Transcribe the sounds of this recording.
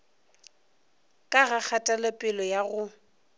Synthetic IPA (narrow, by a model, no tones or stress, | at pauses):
kʼaɣak͡xʰatʼalapʼɪlɔjaɣʊ